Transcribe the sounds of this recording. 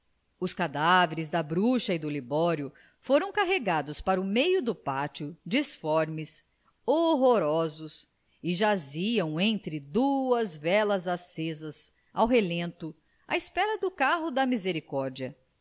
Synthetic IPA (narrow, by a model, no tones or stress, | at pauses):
ʊskad̪aveɾɪzd̪ɐbɾuʃɐid̪ʊlibɔɾjʊ | foɾɐ̃w̃kaɦeɡad̪ʊspaɾʊmejʊd̪ʊpat͡ʃʊd͡ʒisfɔɾmɪs | oɦoɾɔzʊs | ɪʒaziɐ̃w̃ẽnt̪ɾɪd̪uɐzvɛlɐzasezɐs | a̰wɦelẽnt̪ʊ | a̰ispɛɾɐd̪ʊkaɦʊd̪ɐmizeɾikɔɾd͡ʒiɐ